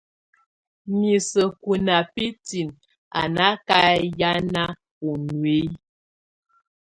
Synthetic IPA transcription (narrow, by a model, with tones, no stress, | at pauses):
mi˨sə˨ku˨na˨pi˦ti˨n | a̰˨na˦ka˦ja˦na˦ | po˨nwe˦